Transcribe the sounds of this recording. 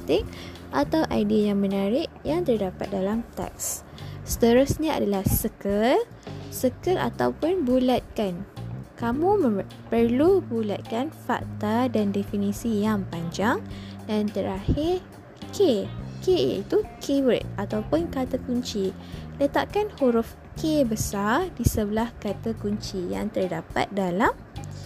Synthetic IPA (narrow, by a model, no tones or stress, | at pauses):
t̪ɪk̚ʔat̪awʔajdiajaŋmə̃naɾɪʔjaŋt̪ərdapa̰t̪̚dalamt̪ɛ̰k̚s | sə̥t̪əɾʊsɲãa̰dalahsəkəl | səkəla̰t̪awpʊnbulat̪̚kankamũmə | pərlubula̰t̪̚kanfa̰k̚t̪adandefinisijaŋpaɲd͡ʒaŋdant̪əɾahɪr | kʰekḛḭt̪ukʰewət̪̚at̪awpʊnkat̪akuɲt͡ʃi | lət̪aʔkanhuɾʊf | kebəsardisəbəlahkat̪akuɲt͡ʃija̰ŋt̪ərdapa̰t̪̚dalam